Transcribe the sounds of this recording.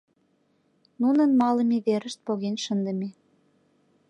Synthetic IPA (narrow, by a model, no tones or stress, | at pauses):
nunənmɑləmeβeɾəʃt̪̚poɣenʃənd̪ə̆me